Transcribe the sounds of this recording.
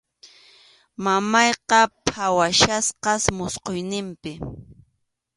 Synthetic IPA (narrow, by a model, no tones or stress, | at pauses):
mamɑjqɑpʰawaʃasqɑsmʊsqojnɪmpɪ